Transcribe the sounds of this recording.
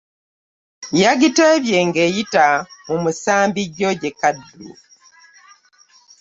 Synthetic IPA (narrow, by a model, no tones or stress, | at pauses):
jaɡiteβjeŋɡejitamumusaːmbiɟoɟekadːṵ